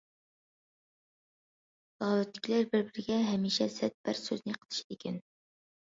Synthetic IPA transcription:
lɑːlɨt̪lɪ̥kʲilæɾbɪɾbɪɾɪɡʲɛɦɛmiʃɛsɛt̪̚b̥æɾsø̰znɪqʰə̥lˠɨ̥ʃi̥d̪ɪkʲʰɛn

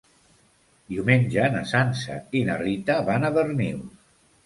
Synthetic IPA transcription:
d̪iumeɲʲd͡ʒəna̰sansa̰inarit̪aβanəβəɾnḭw

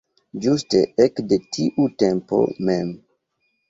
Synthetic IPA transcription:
d͡ʒusteekdetʰiʔute̞mpo̞̰mem

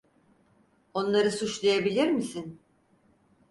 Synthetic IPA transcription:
o̞nlˠaɾɯsut͡ʃlˠajabilʲiɾmisin

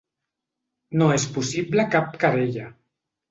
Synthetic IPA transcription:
noespusiblekap̚kaɾeʎa

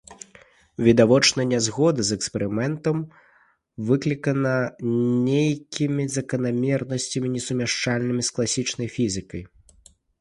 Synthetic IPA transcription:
vʲid̪avɔt͡ʂnɐnʲɛzɣɔd̪ɐzɛkspʲɛɾɨmɛnt̪ɐm | vɨklʲikɐnɐnʲejkʲimʲizɐkɐnamʲɛrnɐsʲt͡sʲɐmʲinʲɛsumʲɛʂt͡ʂalʲnɨmʲisklˠasʲit͡ʂnɐjfʲizɨkɐj

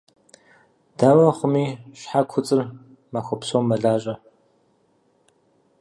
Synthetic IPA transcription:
d̥aːwɐχʷʊmiːɕħakʷʰʊt͡sʼɨr | maxʷɐpsowmːɐɮaːʒʼɐ

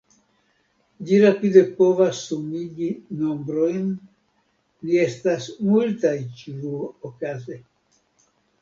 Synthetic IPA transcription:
d͡ʒiɾapid̪e̞po̞vasːumiɡino̞mbɾo̞jn | lie̞stasmultajt͡ʃuokaze

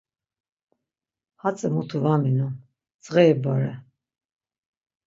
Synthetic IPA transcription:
hat͡sʼəmut̪ʰuvaminu | t͡sʼʁɛːbaɾɛ

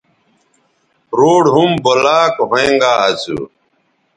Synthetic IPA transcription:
ɾoːɽɦumbolaːkɦõeŋɡaːɐt͡sṵ

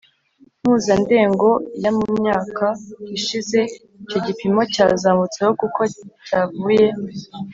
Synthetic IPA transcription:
m̥huːzande̞ːŋɡo̞jamumɲaːkaiʃize̞ | icoɟipimo̞cazaːmut͡sehokukʰo̞caːvuːje̞

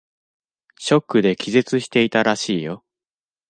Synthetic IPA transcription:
ɕo̞kːɯ̟d̪e̞kʲize̞t͡sɨɕi̥t̪e̞it̪aɾaɕiːjo̞

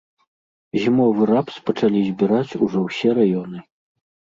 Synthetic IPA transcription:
zʲimɔvɨɾapspɐt͡ʂalʲizʲbʲiɾat͡sʲuʐɔwsʲɛɾajɔnɨ

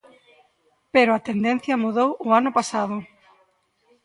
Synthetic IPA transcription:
peɾoat̪end̪ẽn̟θjɐmuðowʊanʊpasaðʊ

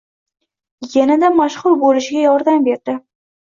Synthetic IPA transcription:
janad̪amaʃχʊlˠbolɪʃɪɡʲajɒɾd̪ambeɾd̪ɪ

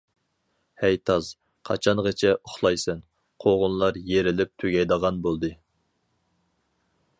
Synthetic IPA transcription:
hɛjt̪ʰɑz̥ | qʰɑ̰t͡ʃʰɑnʁət͡ʃʰɛʔoχlˠɑjsɛn | qʰoʁʊnlˠɑɾjeɾɪlɪp̚t̪ʰyɡʲɛjd̪əʁɑnbolˠd̪ɨ

